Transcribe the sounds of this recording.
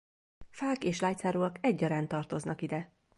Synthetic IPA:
faːkeːʃlaːjt̪saːɾuːɒkɛɟːɒɾaːnt̪ɒrt̪o̞znɒkid̪ɛ

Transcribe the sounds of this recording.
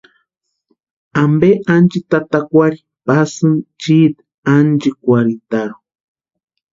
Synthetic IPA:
ambeʔand͡ʒit̪at̪akʷaɾi | pasɨnt͡ʃit̪ | and͡ʒikʷaɾit̪aɾu

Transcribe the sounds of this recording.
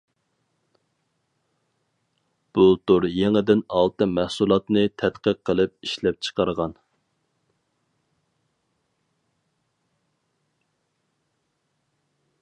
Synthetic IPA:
b̥ut̪ʊɾjeŋɪd̪ɪnɑlˠt̪ɨmæhsulˠɑt̪nɨt̪ʰɛt̪qəqʰːəlˠɨp̚iʃlɛp̚t͡ʃʰə̥qʰɑɾʁɑn

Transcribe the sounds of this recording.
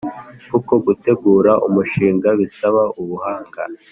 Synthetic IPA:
kuko̞ɡute̞ɡuːɾaʔumuʃiːŋɡaβisaβauβuhaːŋɡa̰

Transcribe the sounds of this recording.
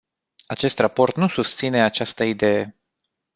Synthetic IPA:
at͡ʃe̞st̪rapo̞rt̪nusust̪sine̞at͡ʃast̪əid̪e̞je

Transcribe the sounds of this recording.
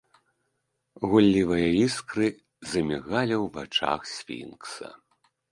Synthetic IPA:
ɣulʲːivɐjɐiskɾɨ | zɐmʲiɣalʲɐwvat͡ʂa̰xsʲfʲḭnksɐ̰

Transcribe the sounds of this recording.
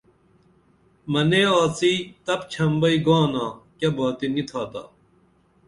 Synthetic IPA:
mɐneːaːt͡siːt̪ɐpt͡ɕʰɐmbɐiɡãːnãːkɐbaːt̪init̪ʰaːt̪a̰ː

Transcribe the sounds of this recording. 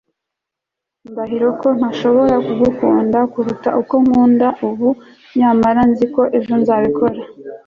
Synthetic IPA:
imbaɦiɾo̞ko̞n̥haʃo̞βo̞ɾakuɡukuːndakuɾutaʔuko̞muːndauβu | ɲamaɾanziko̞ʔe̞ʒonzaβikʰo̞ɾa

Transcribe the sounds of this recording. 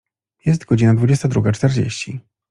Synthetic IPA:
jɛs̬t̪ɡɔd͡ʑinad̪vud͡ʑɛst̪ad̪ɾuɡat͡ʂt̪ɛɾd͡ʑḛɕt͡ɕi

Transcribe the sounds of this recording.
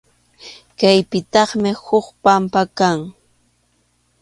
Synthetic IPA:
kajpɪt̪ɑχmɪhʊχpampakaŋ

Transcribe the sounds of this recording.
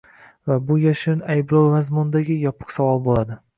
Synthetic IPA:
vabʊjaʃɪnajbɾowmazmʊnd̪aɡʲɪjɒpʰɨ̥qsavɒlˠbolad̪ɪ

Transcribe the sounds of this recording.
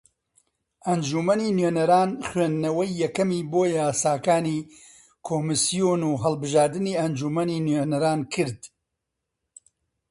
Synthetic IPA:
ʔɐnd͡ʒumɐniːnjenɐɾaːnxɥeːnːɐwɐjːɛkɐmiːboːjaːsaːkaːniː | kʰoːmɨsijoːnuːɦɐlˠbɨʒaːɾd̪ɨniːɐnd͡ʒumɐniːnenɐɾaːnkʰɨɾd̪

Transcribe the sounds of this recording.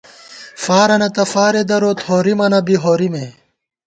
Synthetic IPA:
faːɾɐnɐt̪ɐfaːɾed̪ɐɾoːt̪hoːɾimɐnɐbiɦoːɾime

